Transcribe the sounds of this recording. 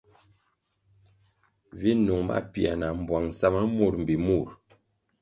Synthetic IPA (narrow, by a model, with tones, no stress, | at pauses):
vi˦nu˨ŋma̰˦˨pi˨a̰˨na˨m̩˨bwa˨ŋ˨sa˦ma˦mu˦˨ɾm̩˨bi˨mu˦˨ɾ